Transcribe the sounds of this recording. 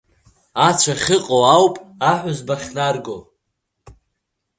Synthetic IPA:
at͡ʃʷʰaχʲɪqʼoawpʼaħʷᶣʊzbaχʲnarɡo

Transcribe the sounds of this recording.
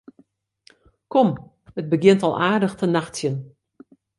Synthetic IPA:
kɔm | ət̚bəɡɪntɔ̰lˠʔaːrdəxtənaxtjən

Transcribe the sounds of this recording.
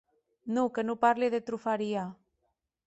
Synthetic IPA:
nukenupaɾliðet̪ɾufaɾia

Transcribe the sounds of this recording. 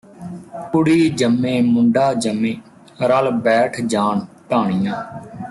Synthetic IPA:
kʊɽiːd͡ʒəmːẽːmʊɳɖaːd͡ʒəmːẽː | ɾəlbɛːʈʰd͡ʒaːɳtaːɳ̃ɪjãː

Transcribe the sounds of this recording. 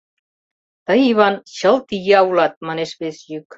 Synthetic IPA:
t̪əiβanɕəlˠt̪iɣeawlat̪̚mənesβesʎyk

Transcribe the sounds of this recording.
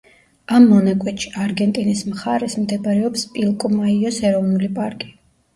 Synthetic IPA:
amːɔnakʼwɛt̪ʃi̥aɾɡɛnt̪ʼinismχaɾɛsmd̪ɛbaɾɛɔpspʼilˠkʼɔmaiɔsɛɾɔvnulipʼaɾkʼi̥

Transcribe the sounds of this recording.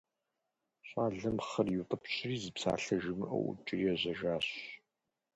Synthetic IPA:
ɕʷʼaːɮɐmχɐrjuqʼɐpɕʰɪriːzɨpsa̰ːɬɐʒɪmɨʔɐ̰wʔʊ̰t͡ʃʼɪriɛʑɐʒaːɕ

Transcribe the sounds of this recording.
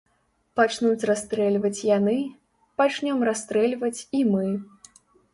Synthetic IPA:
pat͡ʂnut͡sʲrast̪ɾɛlʲvɐt͡sʲjanɨ | pat͡ʂnʲɔmrast̪ɾɛlʲvɐt͡sʲimɨ

